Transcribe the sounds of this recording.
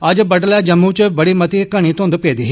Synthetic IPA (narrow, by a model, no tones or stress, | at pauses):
əd͡ʒbəɖlaːd͡ʒəmːuːt͡ʃbəɽiːmət̪iːkəɳ̃iːt̪õːnd̪peːd̪iːɦː